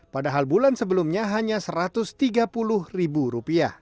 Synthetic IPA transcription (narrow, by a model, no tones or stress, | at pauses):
padaɦalbulansəbəlumɲaɦaɲasəɾat̪ʊst̪iɡapulʊhribuɾupia